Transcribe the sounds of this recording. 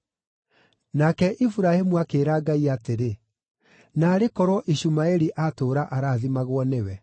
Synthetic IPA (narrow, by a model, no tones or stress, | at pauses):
nakɛʔifuɾahemuakeːɾaːɡaiateɾe | naːɾekɔɾwɔʔiɕumaɛɾiʔatoːɾaʔaɾaːðimaɣwɔnewɛ